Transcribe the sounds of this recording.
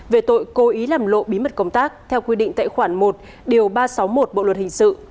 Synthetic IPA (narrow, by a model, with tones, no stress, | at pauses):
ve˨˩t̪o̰˧˨jko˨˦ʔi˨˦laː˨˩mlo̰˧˨ɓi˨˦mə˨˩t̚kə˧wŋ͡mt̪aː˦˥k̚t̪ʰɛ˧wkwi˧ɗḭ̈˧˨ŋ̟t̪a̰ː˧˨jxwaː˧˩nmo˨˩t̚ | ɗi˨˩əwɓaː˧sa˨˦wmo˨˩t̚ɓo̰˧˨lwə˨˩t̚hï˨˩ŋ̟sɨ̰˧˨